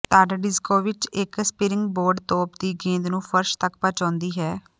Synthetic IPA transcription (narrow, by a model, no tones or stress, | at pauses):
t̪aːɖaɖɪskoːʋɪt͡ʃɪkspɪɾɪŋɡboːɾɖt̪ɔːpd̪iːɡẽːnd̪nũːpʰəɾʃt̪əkpaːt͡ʃãːnd̪iːɦɛː